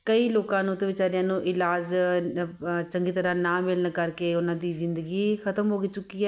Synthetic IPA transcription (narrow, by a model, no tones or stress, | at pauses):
kəiːloːkãːnũːt̪eːʋɪt͡ʃaːɾɪjãːnũːʔɪlaːd͡ʒ | t͡ʃəŋɡiːt̪əɾãːnãːmɪlnkəɾkeːʊnãːd̪iːzɪnd̪əɡiːkʰət̪əmɦoːɡeːt͡ʃʊkːiːɛː